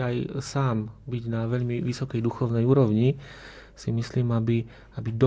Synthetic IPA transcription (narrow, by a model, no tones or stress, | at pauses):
ajsaːmbiɟnaʋɛʎmiʋisɔkɛjd̪uxɔʊnɛjuːɾɔʊɲi | simisliːmabi | abid̪